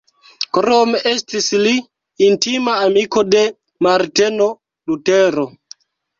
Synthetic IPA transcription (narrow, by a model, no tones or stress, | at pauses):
kɾomestisliː | ntimaːmikode̞ | maɾteno | luteɾo